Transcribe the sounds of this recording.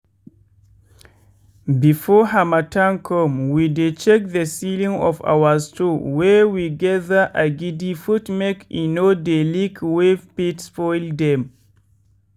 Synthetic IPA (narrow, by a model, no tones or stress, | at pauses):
bifɔɦamatãnkʰɔmwidet͡ʃɛk̚ðəsilĩŋɔfa̰wəstuwɛwiɡɛðəʔaɡidifutmɛkinodelikwevpitspɔjldɛ̃m